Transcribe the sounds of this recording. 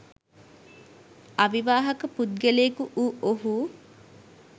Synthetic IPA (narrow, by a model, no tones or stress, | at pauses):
aʋiʋaːɦɐkəpud̪̚ɡeleːkuʔuːoɦu